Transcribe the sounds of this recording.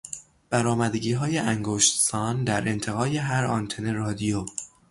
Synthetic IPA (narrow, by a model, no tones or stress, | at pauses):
b̥æɾɒːmæd̪eɡiːɦɒːjeʔæŋɡoʃt̪sɒːnd̪æɾe̞nt̪ʰe̞ɣɒːje̞ɦæɾɒnt̪ʰene̞ɾɒːd̪ijo